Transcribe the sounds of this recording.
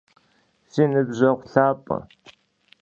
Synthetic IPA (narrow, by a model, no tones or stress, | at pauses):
sinɨbʑɐʁʷɬaːpʼɐ̰